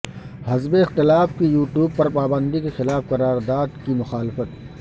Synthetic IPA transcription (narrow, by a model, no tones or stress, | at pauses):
hɐzbeɪxt̪ɪlaːfkijuːʈjuːb̚pɐɾpaːbə̃nd̪ikexɪlaːfqɐɾaːɾd̪aːd̪kimʊxaːlɪfət̪̚